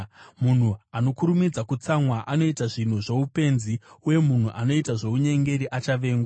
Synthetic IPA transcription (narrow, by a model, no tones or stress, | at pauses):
mun̤uano̞kuɾumid͡zakut͡samwaʔano̞itaʐin̤uʐe̞upe̞nziuje̞mun̤uʔano̞itaʐe̞uɲe̞ŋɡe̞ɾiʔat͡ʃaʋe̞ːŋɡwa